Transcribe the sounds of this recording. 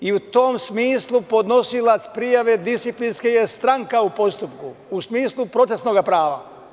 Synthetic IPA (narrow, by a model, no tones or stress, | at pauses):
iut̪o̞msmiːslˠupo̞d̪no̞silat̪spɾijaʋe̞d̪ist̪iplinskejest̪ɾaŋkaupo̞st̪upkuusmiːslˠupɾo̞t̪se̞sno̞ɡapɾaːʋa̰